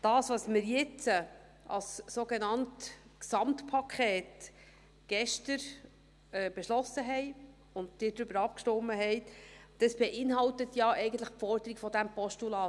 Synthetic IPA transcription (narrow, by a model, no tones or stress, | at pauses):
d̥ɑːsʋɑsmɪɾjɪt͡sə | ʔɑ̰ssoɡenɑntksɑmtpʰɑkʰɛːt | ɡ̥ɛʃtəɾ | ɛːb̥ɛʃlɔsəɦɛj | ʊnd̚d̥ɪːd̪ɾʏbəɾɑp̚kʃtɔmːəɦɛɪd̪̥ɑsb̥ɛʔɪnɦɑltət̪jɑʔɛɪɡən̩t̪ləχfɔɾdəɾiɡfɔd̪æmpɔʃtulɑː